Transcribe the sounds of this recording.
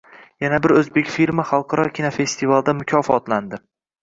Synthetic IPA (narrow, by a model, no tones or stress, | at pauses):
janabɪɾɵzbe̞kʲfiɾmaχɑlˠqʰɑɾɒkʲʰinofe̞st̪ʰivald̪amʊkʲʰɒfɒt̪land̪ɪ